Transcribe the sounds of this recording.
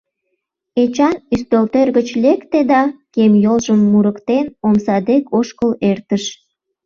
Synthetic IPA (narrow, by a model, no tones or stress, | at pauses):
et͡ɕɑnyst̪ølt̪erɣət͡ɕlekt̪ed̪ɑkemjolʒəmːuɾəkt̪enomsɑd̪ekʰoʃkəlert̪əʃ